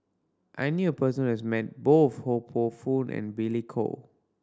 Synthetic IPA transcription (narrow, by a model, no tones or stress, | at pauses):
ʔa̰jnjuəpəsə̃nɛsmɛt̚boθhopʰofũnʔɛ̰̃nbilikʰo̰